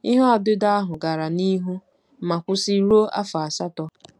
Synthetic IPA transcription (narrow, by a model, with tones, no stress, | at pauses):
i˦ɦɔ˦a˨dɪ˦da˦a˦ɦʊ˨ɡa˨ɾa˨ni˦ɦu˦ | ma˨kʷʊ˦si˦ɾu˦o˦ʔa̰˦fa˨a˨sa˦tɔ˦